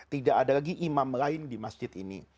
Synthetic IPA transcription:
t̪idaʔadalaɡiʔimamlaɪndimasd͡ʒɪt̪ḭnḭ

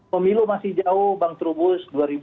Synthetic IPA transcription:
pəmilumasɪhd͡ʒaʊhbaŋt̪ɾubʊsduaɾib

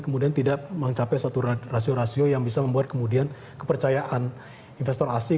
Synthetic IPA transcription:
kəmudiant̪idaʔməŋt͡ʃapɛsat̪urasioɾasiojaŋbisaməmbuat̪̚kəmudian | kəpərt͡ʃajaʔan | infɛst̪ɔrasi

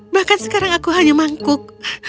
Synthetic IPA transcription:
bahkansə̥kaɾaŋakuɦaɲamaŋkʊk̚

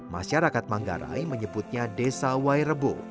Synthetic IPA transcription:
maʃaɾakat̪̚maŋɡa̰ɾa̰jməɲəbut̪̚ɲadesawajɾəbo̰

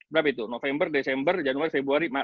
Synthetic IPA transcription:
bəɾapait̪unofɛmbərdesɛmbərd͡ʒanuarfebɾuaɾima

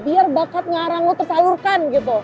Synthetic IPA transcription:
biarbakat̪̚ɲaːɾaŋɔt̪ərt͡ʃalurkanɡit̪u

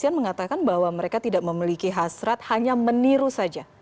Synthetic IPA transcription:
ianməŋat̪akanbaɦwaməɾekat̪idaʔməmilikiɦasɾat̪̚haɲaməniɾusad͡ʒa

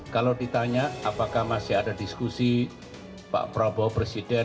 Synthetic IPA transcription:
kalowdit̪aɲaapakahmasɪɦadadiskusi | pa̰ʔpɾɔbɔpɾesidɛ

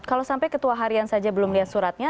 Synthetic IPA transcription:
kalowsampajkət̪uaɦaɾiansad͡ʒabəlʊmliat̪̚suɾat̪̚ɲa

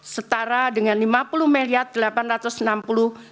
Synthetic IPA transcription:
sət̪aɾadəŋanlimapuluhmeliat̪̚d̥̪əlapanrat̪ʊsnampulu

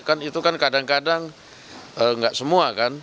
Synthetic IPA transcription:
kanit̪ukankadaŋkadaŋ | əŋɡaʔsəmuakan

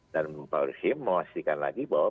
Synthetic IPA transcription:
danpaɾhimːəwast̪ikanla̰ɡibawa

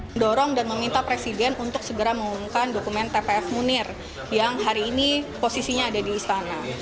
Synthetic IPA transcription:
ndoɾɔŋdanməmint̪apɾesidɛnunt̪ʊk̚səɡəɾaməŋumukandokumɛnt̪epeɛfmunɪr | jaŋɦaɾiːniposisiɲaːdadiːst̪ana

